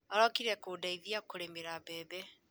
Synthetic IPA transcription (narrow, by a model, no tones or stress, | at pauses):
ɔɾɔkiɾɛkoːdaiðiakoɾemeɾaβɛːbɛ